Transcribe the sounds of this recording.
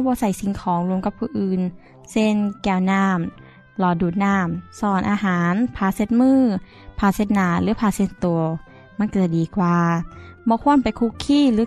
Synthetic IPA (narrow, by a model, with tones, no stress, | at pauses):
bɔː˧˦sa˧˩˦jsi˨˧˦ŋkʰɔː˨˦ŋlu˧əmka˧˦pʰːuː˧˩ʔɯː˧˩n | se˧˥˩nkɛː˧˩wnaː˧˥˩m | lɔː˨˩duː˨˩t̪̚naː˧˩msɔː˧˩nʔa̰ː˧ɦaː˨˦npʰaː˧˩se˧˦t̪̚mɯː˧˥˩ | pʰaː˧˩se˧˦t̪̚naː˨˧˩lɯː˨˦pʰaː˧˩se˧˩nt̪u˨˩ɐ | m˧˥˨nkɤː˧˩t̪̚diː˨˩kwaː˧bɔː˧˦kʰu˧˥˨ənpa˨jkʰu˧˥kʰːiː˧˥˩lɯː˨˦